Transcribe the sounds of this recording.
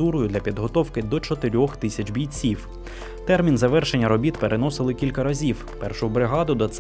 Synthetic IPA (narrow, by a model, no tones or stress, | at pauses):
uɾʊjʊd̪lʲɐpʲid̪ɦɔt̪ɔwkɪd̪ɔt͡ʃɔt̪ɪɾʲɔxt̪ɪsʲɐt͡ʃbʲijʲt͡sʲiw | t̪ɛrmʲinzɐʋɛrʃenʲːɐɾɔbʲit̪peɾenɔsɪlˠɪkʲilʲkɐɾɐzʲiw | pɛrʃʊbɾɪɦɑd̪ʊd̪ɔt̪s